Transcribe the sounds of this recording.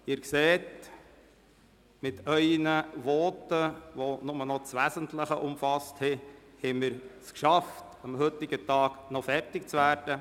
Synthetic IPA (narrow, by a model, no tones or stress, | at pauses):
ɪːɾkseːt | mɪtʰœʏnəʋɔːtəʋonʊmənɔt͡sʋæzəntləχəʔʊmfɑsthɛ | hɛɪmɪːɾskʃɑft | ɑmɦɵtɪɡətɑːknɔfɛrtɪkt͡sʋæːɾd̥ə